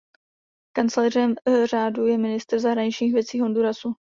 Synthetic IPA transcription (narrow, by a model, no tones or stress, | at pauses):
kant͡slɛːr̝ɛmr̝aːdujɛmɪnɪst̪r̩zaɦɾaɲɪt͡ʃɲiːxvjɛt͡siːɦonduɾasu